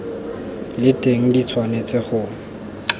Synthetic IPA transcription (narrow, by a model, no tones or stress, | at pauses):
lɪtʼeŋ̩dit͡sʰwanet͡sʼɪχʊ